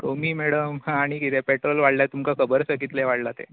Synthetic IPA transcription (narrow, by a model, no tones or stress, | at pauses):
ɾomiːmeɽəmhãːɽ̃ikit̪ʰepeʈɾolʋaɽljat̪umkakʰəbəɾsəɡit̪leʋaɽlat̪ḛ